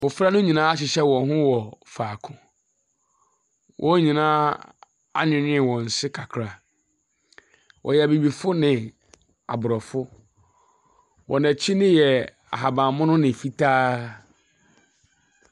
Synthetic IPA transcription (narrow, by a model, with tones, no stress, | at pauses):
wʊ˨fɾa˦nʊ̃˦ɲĩ˨nãː˦a˦ɕɪ˨ɕɛ˦wɔ̃˨ɦʊ̃˦wɔ˨faː˨kʰʊ̃˦ | wʔɔ˦ɲĩ˨nãː˦ | a̰˦ɲɪ̃˨ɲɪ̃˦˨wɔ̃˨n̩˨sɪ˦kʰa˨kʰɾa˨ | wʔɔ̰˨jɛ˨æ˨bi˨bi˨fʊ˦nɪ̃˨ | a̰˨bʊ˨ɾɔ˨fʊ˦ | wʔɔ̰˨nɛ̃˨t͡ɕʰi˦nɪ̃˦jɛ˨ | a̰˨ɦa˨bã˨mʊ̃˦nʊ̃˦nɪ̃˨fi˦tʰaː˦